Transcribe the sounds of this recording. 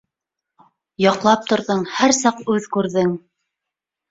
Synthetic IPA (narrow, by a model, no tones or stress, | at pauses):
jɑqlˠɑp̚t̪ŏɾðɤɴhæɾsɑqʉðkʉɾðɘŋ